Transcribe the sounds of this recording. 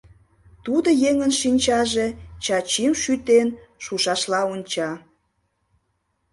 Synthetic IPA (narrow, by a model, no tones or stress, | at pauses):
t̪ud̪ojeŋənʃinʲt͡ɕɑʒet͡ɕɑt͡ɕimʃyt̪enʃuʃɑʃlɑonʲt͡ɕɑ